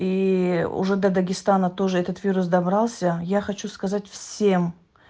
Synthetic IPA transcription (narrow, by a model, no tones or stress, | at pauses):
iʊ̰ʐɛd̪ɐd̪ɐɡʲɪst̪anət̪o̞ʐɨɛt̪ət̪vʲiɾʊs̬d̪ɐbɾalˠsʲəjaxɐt͡ɕuskɐzatʲfsʲem